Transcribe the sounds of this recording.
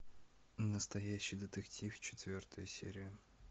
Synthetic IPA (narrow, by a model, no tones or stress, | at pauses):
nəst̪ɐjæɕːɪjd̪ət̪ɨktʲʰift͡ɕɪ̥t̪vʲort̪əjʊsʲḛɾʲɪjʊ